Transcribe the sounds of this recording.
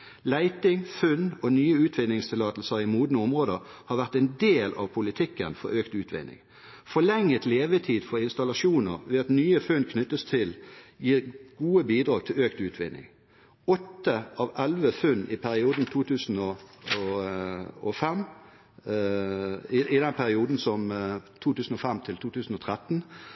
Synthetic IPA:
læɪt̪ɪŋfʉnɔnyːəʉːt̪ʰʋɪnɪŋst̪ʰɪlɑːt̪l̩səʁɪmuːd̪n̩əʊmʁoːd̪əʁ | hɑːʁʋæʁt̪ɛnd̪eːlɑ̰ʋpʰʊlɪt̪ʰɪkːənfɔ̰ʁøːkt̪ʉːt̪ʰʋɪ̰nɪ̰ŋ | fɔʁlɛŋːət̪leːʋət̪ʰiːd̪̥fɔʁɪnst̪ɑlɑʃuːnəʁʋeːɑt̪nyːəfʉnkʰnʏt̪ːəst̪ʰɪljiːʁɡ̥uːəbiːd̪ʁɑːɡ̚t̪ʰɪløːkt̪ʉːt̪ʰʋɪnɪ̰ŋ | ɔt̪ːəʔɑʋɛlʋəfʉnːʔɪpʰæɾɪuːd̪n̩t̪ʰuːt̪ʰʉːsn̩ɔɔ | ɔfɛm | ɪʔɪd̪ɛnpʰæʁɪuːd̪n̩sɔmt̪ʰuːt̪ʉːsn̩ɔfɛmt̪ʰɪlt̪ʰuːt̪ʰʉːsn̩ɔt̪ʰʁɛt̪ːn̩

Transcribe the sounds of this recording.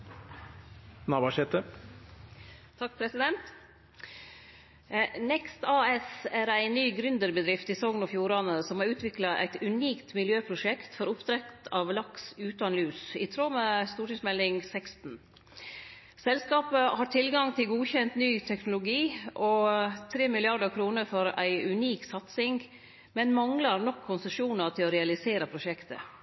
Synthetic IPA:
nɑːbɑʃɛt̪ə | t̪ʰɑk̚ːpʰɾɛsɪd̪ɛnt̪ | nɛkst̪ɑːɛsæːɾæɪnːyːɡɾʏnd̪əɾbəd̪ɾɪft̪iːsɔŋnɔfjuːɾɑnəsɔmhɑɾʉːt̪ʋɪklɑʔæ̰ɪt̪ʉniːkt̪mɪljøːpʰɾʊʂɛkt̪fɔɾʊpt̪ʰɾɛkt̪ʰɑʋlɑksʉːt̪ɑnlʉːsɪt̪ʰɾoːmɛst̪uːʈɪŋsmɛlːɪŋsɛkst̪n̩ | sɛlskɑːpəhɑːʈʰɪlɡɑŋt̪ʰɪlɡuːçɛnt̪nyːt̪ʰɛknʊlʊɡiːʔɔt̪ʰɾeːmɪlɪɑɖəkʰɾuːnəɾfɔɾæ̰ɪʉniːksɑt̪sɪŋ | mɛnmɑŋlɑɾnɔkʰːʊnsəʂuːnəɾt̪ʰɪlɔɾɛɑlɪseːɾəpʰɾʊʂɛkt̪ə̰

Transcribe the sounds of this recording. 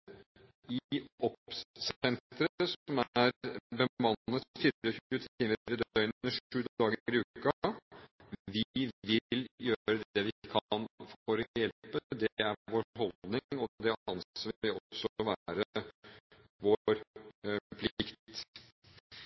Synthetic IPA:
ɪɔpsɛnt̪ɾəəsɔmæɾbəmɑnːət̪fiːɾəçʉːət̪ʰiːməɾəd̪œʏnəʂʉːd̪ɑːɡəɾɪʉːkɑ | ʋɪʋɪljøːɾəd̪ɛʋɪkʰɑnfɔɾjɛlpəd̪ɛæɾʋoːɾɦɔld̪nɪŋɔd̪ɛɑnsəʋɪʋɪɔsːɔʋæɾə | ʋoːɾ | pʰlɪkt̪

